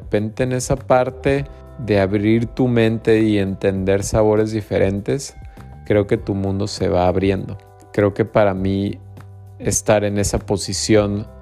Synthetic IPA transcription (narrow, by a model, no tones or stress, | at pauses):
pe̞nt̪e̞ːne̞sapaɾt̪e̞ | ðe̞aβɾiɾt̪umẽ̞nt̪e̞ie̞nt̪e̞nd̪e̞ɾsaβo̞ɾe̞zðife̞ɾʔe̞nt̪e̞s | kɾe̞o̞ke̞t̪umũnd̪o̞se̞̰βaːβɾje̞nd̪o̞ | kɾe̞oke̞paɾami | e̞st̪aɾe̞ne̞sapo̞sisjo̞n